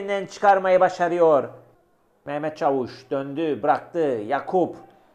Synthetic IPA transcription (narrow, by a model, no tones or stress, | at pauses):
nd̪ænt͡ʃʰɯ̥kʰaɾmajabaʃaɾɯjoɾ | mɛhmɛt̪̚t͡ʃʰavuʃd̪̥ønd̪ybɯɾak̚t̪ɯjakʰup